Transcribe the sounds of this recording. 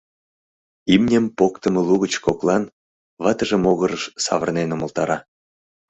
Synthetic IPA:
imnʲəmpokt̪əməluɣət͡ɕkoklɑn | βɑt̪əʒə̆moɣəɾəʃsɑ̰βərnenomə̆lt̪ɑɾɑ

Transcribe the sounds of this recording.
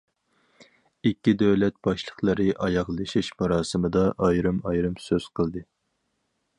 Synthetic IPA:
ikʲːid̪ɛwlɛt̪̚b̥ɑʃlˠəχlˠɨɾɨʔɑjɑʁlˠɨʃiʃmɑɾɑːsɨmɨd̪ɑʔɑjɾɨmɑjɾɨmsøz̥qʰəlˠd̪ɨ

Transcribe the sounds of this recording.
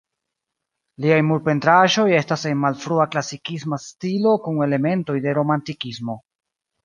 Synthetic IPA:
liajmuɾpe̞ntɾaʒo̞je̞stase̞nmalfɾuaklasikismastilo̞kuŋe̞le̞me̞nto̞jde̞ɾo̞mantikismo̞

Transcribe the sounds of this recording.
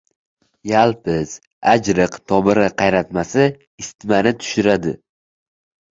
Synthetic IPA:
jalˠpɪz̥ | ad͡ʒɾɨqt̪ʰɒbɪɾɪqʰɑjɾat̪masɪ | ɪst̪manɪt̪ʰʊ̥ʃɪɾad̪ɪ

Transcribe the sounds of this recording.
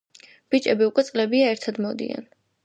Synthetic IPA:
b̥it͡ʃʼɛbiukʼwɛt̪sʼlɛbiaɛɾt̪ʰad̪mɔd̪ḭa̰n

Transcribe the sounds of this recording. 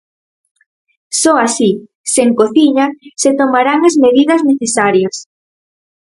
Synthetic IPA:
sɔasi | seŋkoθiɲɐset̪omaɾaŋɐzmeðiðɐzneθesaɾjɐs

